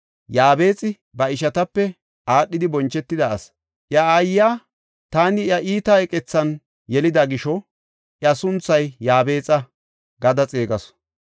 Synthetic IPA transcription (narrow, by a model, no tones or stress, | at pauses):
jaːbe̞ːt͡sʼɪ | bɐɪʃɐt̪ɐpːɛ | ʔaːɗːɪd̪ɪbɔnt͡ʃːɛt̪ːɪd̪ɐɐs | ʔjɐaːjaː | t̪aːnɪjɐʔiːt̪ɐɛkʼɛt͡sːɐn | jɛlɪd̪ɐɡɪʃɔ | ʔjɐsʊnt͡sːɐjjaːbe̞ːt͡sʼɐ | ɡɐd̪ɐt͡sʼeːɡɐs